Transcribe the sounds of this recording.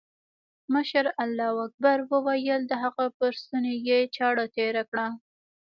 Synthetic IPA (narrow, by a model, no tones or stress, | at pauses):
məʃɾalːɑwak̚baɾwəwajəld̪əɦaɣapəɾst̪unojet͡ʃɑɽat̪eɾakɽa